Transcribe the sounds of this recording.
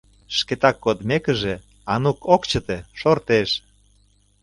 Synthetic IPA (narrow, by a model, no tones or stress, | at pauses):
ʃket̪ɑkːod̪mekə̆ʒe | ɑnukʰokt͡ɕə̆t̪eʃort̪eʃ